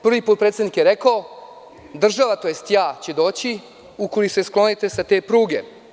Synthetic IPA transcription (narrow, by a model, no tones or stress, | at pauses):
pr̩ʋipot̪pɾet̪sed̪nikjeɾekao | d̪r̩ʒaʋat̪o̞jest̪jaːt͡ɕed̪o̞ːt͡ɕi | ukojise̞sklˠo̞nit̪e̞sat̪e̞ːpɾuːɡe̞̰